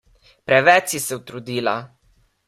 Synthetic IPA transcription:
pɾɛʋɛt͡ʃisɛwt̪ɾud̪iːla̰

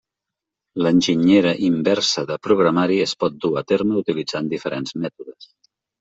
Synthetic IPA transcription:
lənʲʒiɲeɾəʔimbɛrsəðəpɾuɣɾəmaɾiəspɔt̪̚d̪uat̪eɾməut̪ilid͡zand̪ifəɾʔenzmɛt̪uðəs

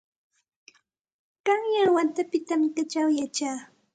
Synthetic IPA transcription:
kaŋjawant̪apɪt̪amɪkat͡ʃawjat͡ʃaː

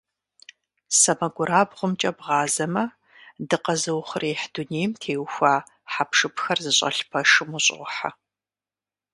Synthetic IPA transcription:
sɐmɐɡʷʊɾaːbʁʷʊmt͡ʃʼɐbʁɑːzɐmɐ | dɨqɐzɨwχʷʊreːħduneːjmtʰeːwxʷaː | ħapʰʂɨpʰxɐrzɨɕʼɐ̰ɬpʰɐʂɨmʊɕʼʁʷʊħa̰

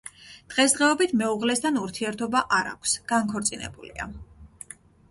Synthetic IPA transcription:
d̪̥ʁɛsd̪ʁɛɔbit̪ʰmɛuʁlɛst̪ʰanuɾt̪ʰiɛɾt̪ʰɔbaʔaɾa̰kʷʰsɡ̥aŋkʰɔɾt̪sʼinɛ̰bulḭa̰

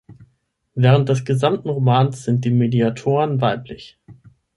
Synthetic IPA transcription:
vɛːʁ̞ənt̚d̥ɛs̬ɡ̥əzamtn̩ʁomaːnsz̥ɪnt̚d̥iːmediatʰoːʁənvaɪplɪç

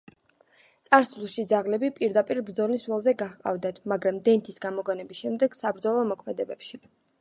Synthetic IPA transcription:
t̪sʼaɾsulˠʃid̪zaʁlɛbipʼiɾd̪apʼiɾbɾd̪zɔniswɛlˠzɛɡaχqʼa̰vd̪at̪ʰmaɡɾamd̪ɛnt̪ʰisɡamɔɡɔnɛbisʃɛmd̪ɛɡ̥sabɾd̪zɔlˠɔmɔkʰmɛd̪ɛbɛpʃi

